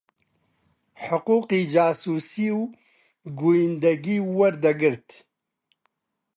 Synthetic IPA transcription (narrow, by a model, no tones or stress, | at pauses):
ħʊquːqiːd͡ʒaːsuːsiːw | ɡujind̪ɛɡiːwɐɾd̪ɐɡɨɾt̪